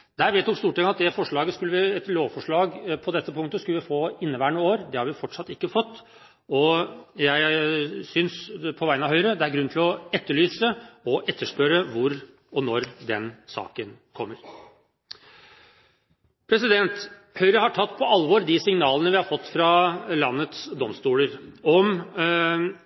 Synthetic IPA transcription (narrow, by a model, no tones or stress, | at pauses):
d̪̥æːɾʋɛːt̪ːʊmst̪uːʈʰɛŋɑt̪̚d̪ɛfɔʂɭɑːɡəskʉlːəʋɪɛt̪loːʋfɔʂɭɑːɡpʰɔd̪ɛt̪ːəpʊŋt̪əskʉlʋɪfoːɪnːəʋæːɳəoːɾd̪ɛhɑɾʋɪfɔʈʂɑt̪ːɪkːəfɔt̪ː | ɔjæɪsʏnspʰɔʋæɪnɑʋɦœʏɾəd̪ɛæɾɡɾʉn̩ɪlɔɛt̪ːəɭyːsəɔʔɛt̪ːəʂpœɾəʋʊɾ | ɔnɔɾd̪ɛnsɑ̰ːkənkʰɔmːəɾ | pʰɾɛsɪd̪ɛnt̪ | hœʏɾəhɑʈʰɑt̪ːpʰɔɑlʋɔɾd̪ɪsɪŋnɑːlənəʋɪhɑɾfɔt̪ːfɾɑlɑnːət̪sd̪ɔmst̪uːləɾɔm